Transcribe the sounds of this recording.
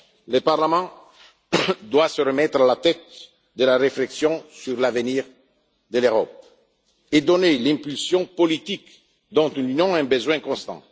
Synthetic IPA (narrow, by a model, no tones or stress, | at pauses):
ləpaʁlamɑ̃ | d̪wasəɾəmɛt̪ɾalat̪ɛt̪̚ | d̪əlaɾefleksjɔ̃syʁlavəniːʁ | d̪əløʁɔp̚ | ed̪onelɛ̃mpylsjɔ̃polit̪ik | d̪ɔ̃t̪ylynjɔ̃ɛ̃bəzwɛ̃kɔ̃st̪ɑ̰̃